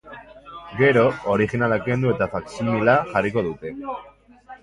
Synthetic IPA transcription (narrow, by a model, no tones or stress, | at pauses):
ɡe̞ɾo̞oɾixinalake̞nd̪ue̞t̪afaksimilaʝariko̞ðut̪e̞